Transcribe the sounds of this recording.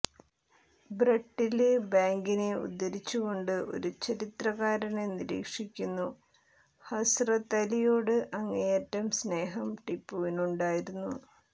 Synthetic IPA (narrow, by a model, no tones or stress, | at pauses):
brɐʈːilbaːŋɡineṵd̪ːɐɾit͡ɕːuɣo̞ɳɖɨʔo̞̰ɾut͡ɕɐɾit̪rɐɣaːɾɐneniɾḭːkʂikʲːunːu | hɐsrɐt̪ɐlijoːɽɨʔɐŋːejɐtːɐmsne̞ːɦɐmʈipːuʋinuɳɖaːjiɾunːu